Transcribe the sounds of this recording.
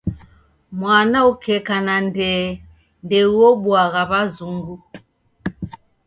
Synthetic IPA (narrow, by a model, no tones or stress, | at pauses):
mwanaukʰɛkanandɛ | ndɛuɔɓwaɣaβazuŋɡu